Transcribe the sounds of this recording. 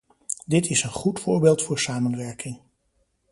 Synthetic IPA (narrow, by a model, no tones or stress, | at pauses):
dɪtɪsənχutfʊːɹbeːlˠtfʊːɹsaːmənʋɛɹkɪŋ